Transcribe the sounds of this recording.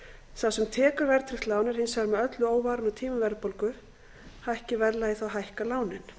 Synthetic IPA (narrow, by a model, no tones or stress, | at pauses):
θawsɛmt̪ʰɛːkʏɾvɛɾt̪ʰɾɪxt̪laːwnɛɾ̥hɪnsɛɾmɛœt̪lʏoːwvaːɾʏnat̪ʰiːmʏvɛɾðpolkʏ | hahcɪvɛɾlːajiθawɦajhkalaːwnɪn